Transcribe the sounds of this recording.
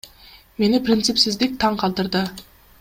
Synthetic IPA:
me̞nɪprʲɪnt̪sɪpsɪzd̪ɪk̚ʲt̪ʰɑɴqʰɑlˠt̪əɾd̪ə

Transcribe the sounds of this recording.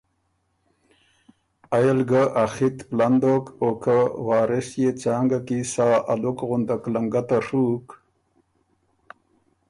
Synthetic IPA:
ajelɡəʔaxit̪pland̪okokawaːɾesjet͡ɕaːŋɡakisaːʔalukɣʊnd̪aklaŋɡat̪aʂuk

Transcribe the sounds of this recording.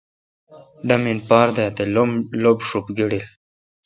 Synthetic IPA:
ɖaminpaːɾd̪eat̪elmlobʂupɡiɽil

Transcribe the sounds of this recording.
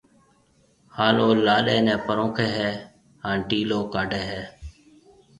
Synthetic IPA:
haːloːlaːɗeːnɛ̃ːpəɾõːkʰeːɦɛː | hãːɖiːloːkaːɖeːɦɛː

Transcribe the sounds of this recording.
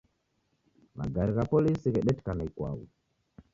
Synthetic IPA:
ma̰ɡaɾiɣapɔlisiɣɛɗɛtkanaikwa̰wṵ

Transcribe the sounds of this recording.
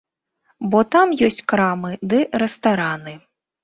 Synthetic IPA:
bɔt̪amjɔsʲt͡sʲkɾamɨd̪ɛɾɛst̪aɾanɨ

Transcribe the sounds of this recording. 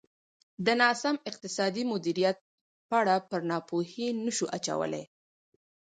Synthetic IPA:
d̪ənɑsamɪq̚t̪ɪsɑd̪imʊd̪iɾijat̪̚ | pəaɽapəɾnɑpohinəʃuʔat͡ʃa̰wə̰lḛj

